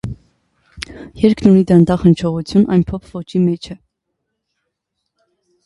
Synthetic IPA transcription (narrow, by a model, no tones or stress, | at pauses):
jɛɾkʰnunid̪ɑnd̪ɑχənt͡ʃʰɔʁut͡sʰjunʔɑ̰jnpʰɔpʰvɔt͡ʃʰimɛt͡ʃʰɛ